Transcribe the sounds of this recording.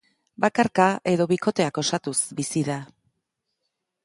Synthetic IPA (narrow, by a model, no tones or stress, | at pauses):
bakaɾkaʔe̞ðo̞βiko̞t̪e̞ako̞sat̪usbisiða